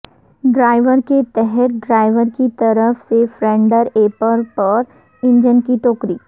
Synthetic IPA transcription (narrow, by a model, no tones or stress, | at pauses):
ɖɾaːɪʋəɾket̪ɛɦɛt̪̚ɖɾaːɪʋəɾkit̪ɐɾəfsefɾɛ̃ːɳɖəɾeːpəɾpɐɾ | ɪ̃ɲd͡ʒənkiʈoːkɾiː